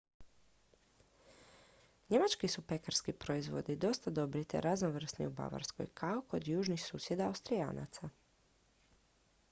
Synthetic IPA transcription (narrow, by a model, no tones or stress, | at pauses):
ɲe̞mat͡ʃkisupe̞kaɾskipɾo̞izʋo̞̰d̪id̪o̞st̪ad̪o̞bɾit̪ḛɾaznoʋr̩snḭuba̰ʋa̰ɾsko̞̰jkʰaoko̞d̪juːʒnixsuːsje̞d̪aːwst̪ɾija̰ːna̰t̪sa